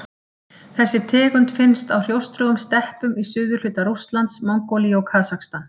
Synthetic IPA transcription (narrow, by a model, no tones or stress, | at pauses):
θɛsːɪt̪ʰɛːɣʏnt̪fɪnst̪awr̥jowst̪ɾœːɣʏmst̪ɛhpʏmisʏːðʏl̥ʏːt̪aɾust̪lant̪smawŋkoliɔwkʰaːsakst̪an